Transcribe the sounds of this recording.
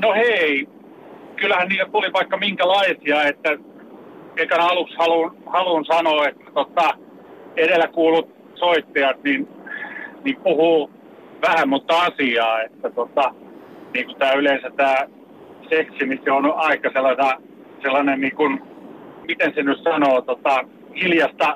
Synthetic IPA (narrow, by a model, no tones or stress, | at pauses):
nohei | kylːæhænniːt̪æt̪uliʋɑikːɑmiŋkælɑisiɑet̪ːæ | eikænɑlukshɑlunhɑlunsɑnoːet̪ːæ̥t̪ot̪ːˑɑ | eɾelːækuːlut̪ | soit̪ːiɑt̪nin | nimpuhuː | ʋæhæmmut̪ːɑɑsiɑːet̪ːæt̪ot̪ɑ | niːŋkut̪æːyleːnsæt̪æː | seksiniseonɑikɑselːɑsenɑ | selːɑnenniːkun | mit̪ensenyssɑnoːt̪ot̪ɑ | hiljɑst̪ɑ